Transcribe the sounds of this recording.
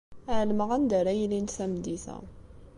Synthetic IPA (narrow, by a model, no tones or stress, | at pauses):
æʕlməʁænd̪æɾæjlint̪θæmd̪iθæ̰